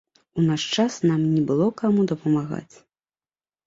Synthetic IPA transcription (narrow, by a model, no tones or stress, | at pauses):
unaʂt͡ʂasnamnʲɛbɨlˠɔkamud̪ɐpɐmaɣa̰t͡sʲ